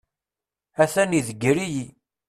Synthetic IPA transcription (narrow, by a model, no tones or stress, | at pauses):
æθæniðəɡɾiji